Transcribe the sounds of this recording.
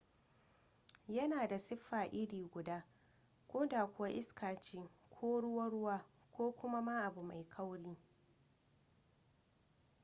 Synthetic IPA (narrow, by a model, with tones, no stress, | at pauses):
jɐ˦naː˨da˨sɪ˦ɸːaː˨ʔɪ˦ɽiː˨ɡʷʊ˨daː˦ | kʷoː˦da˨kʷʊ˦wa˦ʔɪ˦skaː˨t͡ʃɪ˦ŋkʷʰoː˦ɽʊ˦wɐ˦ɽʊ˦waː˦ | kʷoː˦kʷʊ˦ma˦ma˦ʔa˨bu˨ma˨jkʰa˦wɽiː˦